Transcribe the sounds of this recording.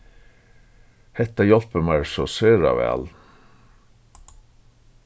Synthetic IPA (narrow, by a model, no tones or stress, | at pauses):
hɛt̪ɑjɔlpəmæɹsosøːɾɑ̰ʋæ̰ːl